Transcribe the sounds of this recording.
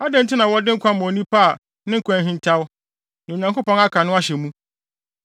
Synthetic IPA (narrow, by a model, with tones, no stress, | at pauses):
a˦dɪ̃˦n˦tʰɪ˦nã˨wɔ˦dɪ̃˦kʰʷã˦mɔ̃˨nĩ˦pʰa˦˨ | nɪ̃˦ŋ̩˦kʰʷã˦ɦĩ˦n˦tʰa˦w | nã˨o˨ɲã˨ŋko˦pɔ̃˦na˦kʰã˨nʊ̃˦a˦ɕɛ˨mũ˦